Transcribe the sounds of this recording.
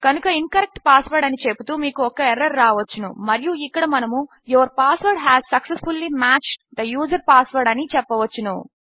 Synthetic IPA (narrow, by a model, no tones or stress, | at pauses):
kɐnukɐinkɐɾek̚ʈpaːsʋɐɾɖɐnit͡ʃeput̪uːmiːkuɔkːɐeɾɐɾːaːʋɐt͡ʃːunṵmɐɾijuikːɐɽɐmɐnɐmu | joɐɾpaːsʋɐɾɖɦæːzsɐksesfulːimaːt͡ʃd̪ɐjuːzɐɾpaːsʋɐɾɖɐnit͡ʃɛpːɐʋɐt͡ʃːunṵ